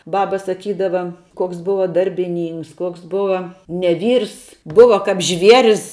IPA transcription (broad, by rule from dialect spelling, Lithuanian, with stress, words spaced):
ˈbɑːbɐ sɐˈkʲiːdɐʋɐ koːks ˈbʊʋɐ dɐrʲbʲɪˈnʲiːŋks ˈkuɔks ˈbʊʋɐ nʲɛ ˈʋʲiːrs ˈbʊʋɐ kɐp ˈʒʲʋʲiɛrʲɪs